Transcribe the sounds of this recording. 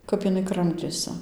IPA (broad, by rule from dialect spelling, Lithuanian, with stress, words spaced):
ˈkɐp ɪˈnɐɪ ˈkrɐmʲtʲeːsʲɪ